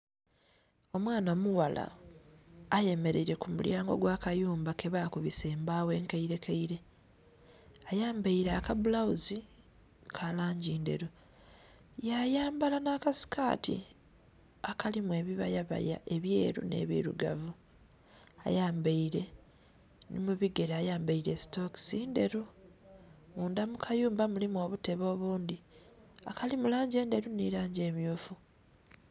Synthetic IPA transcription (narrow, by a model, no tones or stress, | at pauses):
o̞mwaːnomuwala̰ː | je̞me̞ɾeiɾe̞kumṵljaːŋɡo̞̰ɡwaːkajuːmbake̞βaːkuβise̞ːmbaːwe̞ːŋkaiɾe̞kʰaiɾe̞ | ajaːmbaiɾaːkabulawuzi | kʰalaːɲɟiːnde̞̰ɾu | jajaːmbalanakasi̥ka̰ːtḭ | akalimwe̞ːβiβajaβa̰ja̰ʔe̞βje̞ːɾṵne̞̰ːβḭɾṵɡa̰vu | a̰jaːmbaiɾe̞ | nḭmuβiɡe̞ɾaːjaːmbaiɾe̞si̥to̞ki̥siːnde̞ɾu | muːndamukʰajuːmbamulimuo̞ːβute̞βo̞ːβuːnd̪i | akalimulaːɲɟe̞ːnde̞ɾuniɾaːɲɟe̞ːmjuːfu